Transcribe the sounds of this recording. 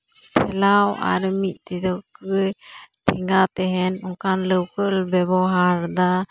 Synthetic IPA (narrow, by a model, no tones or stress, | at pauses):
t̪ʰɛlawa̰ɾmit̪̚ˀt̪id̪ɔkɯjt̪ʰiŋɡat̪ɛɦɛnɔŋkanləwkəlbɛbɔɦaɾd̪a